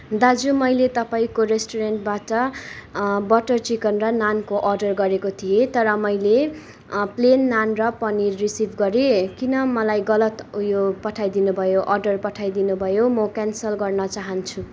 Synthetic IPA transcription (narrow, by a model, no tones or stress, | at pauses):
d̪ad͡zumʌjlet̪ʌpaĩkoɾesʈoɾenʈ̚baʈʌ | bʌʈʌrt͡sikʌnrʌnankoʔʌrɖʌrɡʌɾekot̪ʰijet̪ʌɾʌmʌjle | plenːanrʌpʌnirisibʱɡʌɾekinʌmʌlajɡʌlʌt̪ujopʌʈʰajd̪inubʱʌjoʔʌrɖʌrpʌʈʰajd̪inubʱʌjomʌkansʌlɡʌrnʌt͡saɦʌnt͡sʰu